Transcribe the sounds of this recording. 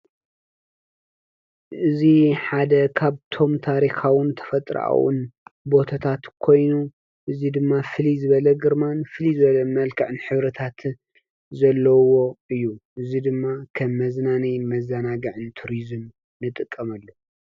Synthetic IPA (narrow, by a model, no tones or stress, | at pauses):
ʔɨziħad̪ɐkʰaβt̪ʰo̞mt̪ʰaɾixawɨnt̪ʰɐ̥fɐt̪ʼɾa̰wɨ̰nbo̞t̪ʰat̪ʰat̪kʰo̞jnu | ʔɨzid̪ɨmːafɨlizɨβɐlɐɡɨɾmanfɨlizɨβɐlɐmɐlkʰɐʕɨnħɨβɾɐt̪ʰat̪ | zɐlːɐwo̞ɨjːuʔɨzid̪ɨmːakʰɐmːɐznanijnmɐzanaɡɐʕɨnt̪ʰuɾizɨm | nɨt̪ʼɨkʼːɐmɐlːo